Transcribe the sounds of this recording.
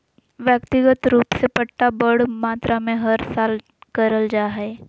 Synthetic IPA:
ʋjək̚t̪ɪɡət̪ɾuːpsepəʈʈːabəɽmaːt̪ɾamẽɦɐɾsaːl | kəɾəld͡ʒaːɦɛː

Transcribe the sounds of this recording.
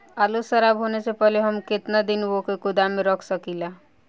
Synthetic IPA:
aːlusəɾabɦoːnesepɛleɦəmkɪt̪nad̪ɪnʋokekʊd̪amẽɾɔkʰsəkila

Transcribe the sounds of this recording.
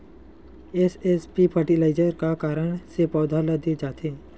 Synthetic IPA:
esespipʰəɾʈilaːɪd͡ʒəɾkakaːɾəɽ̃sepɔːd̪ʱaləd̪id͡ʒaːt̪ʰeː

